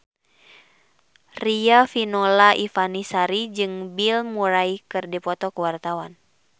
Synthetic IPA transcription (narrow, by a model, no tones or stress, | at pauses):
riafinɔlaʔifanisaɾid͡ʒɨŋbilmuɾaikɨrdipɔt̪ɔkəwart̪awan